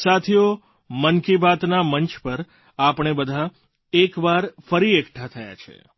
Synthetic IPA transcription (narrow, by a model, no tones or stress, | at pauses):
sat̪ʰijo | mənkibat̪naməɲt͡ʃpəɾ | apɳ̃ebəd̪ʱa | ekʋaɾfəɾiekʈʰat̪ʰəja̰t͡ʃʰḛ